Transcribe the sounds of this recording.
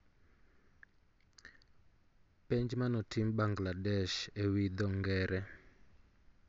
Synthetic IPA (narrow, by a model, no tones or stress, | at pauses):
pɛnd͡ʒmanɔtʰimɓaŋɡladɛʃewid̪ɔŋɡɛːɾɛ